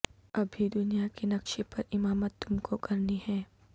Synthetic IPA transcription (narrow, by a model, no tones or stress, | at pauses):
ɐbʱid̪ʊnijakinɐkʃipɐɾɪmaːmət̪ːʊmkokɐɾnihɛ̃ː